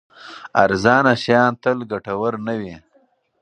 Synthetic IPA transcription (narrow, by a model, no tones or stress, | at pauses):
a̰ɾzɑːnaʃjɑːnt̪əlɡaʈɐwəɾnawi